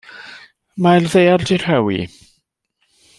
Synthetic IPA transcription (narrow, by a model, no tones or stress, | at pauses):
majlðejaldir̥hɛwḭ